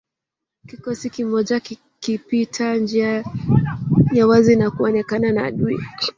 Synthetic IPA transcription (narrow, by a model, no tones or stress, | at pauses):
kikɔsikimɔʄa | kipitʰand͡ʒia | jawazinakuɔnɛkananaːɗui